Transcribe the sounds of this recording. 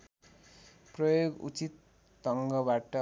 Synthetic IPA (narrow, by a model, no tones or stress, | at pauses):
prʌjoɡṵt͡sit̪ː | ʌŋɡʌbaʈʌ